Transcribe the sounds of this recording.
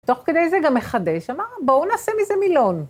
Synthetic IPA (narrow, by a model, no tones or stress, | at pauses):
t̪o̞χke̞d̪ejzeɡamːeχadeʃamabounaːsemizemilon